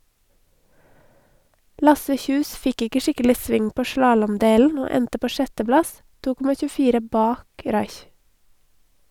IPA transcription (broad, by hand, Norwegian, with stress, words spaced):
ˈlɑsə ˈçʉːs ˈfɪk ˈɪkə ˈʃɪkəlɪ ˈsʋɪŋ ˈpoː ˈʃlɑːlɔmˌdeːln̩ ˈoː ˈɛntə ˈpoː ˈʃɛtəˌblɑs ˈtuː ˈkɔmɑ çʉːˈfiːɾə ˈbɑːk ˈɾɑɪç